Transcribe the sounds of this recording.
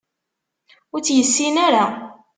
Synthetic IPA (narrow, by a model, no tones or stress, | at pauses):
ʊɾt͡sːjəsːinaɾa